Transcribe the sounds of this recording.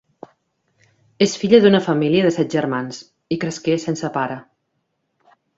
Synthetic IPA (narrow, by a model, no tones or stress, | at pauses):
esfiʎəðunəfəmiliəðəsɛt̪̚ʒəɾmans | ikɾəskesensəpaɾə